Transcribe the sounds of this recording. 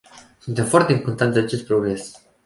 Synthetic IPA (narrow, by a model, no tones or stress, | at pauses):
sunt̪e̞mfoart̪eimkont̪and̪eat͡ʃe̞st̪̚pɾoɡɾe̞s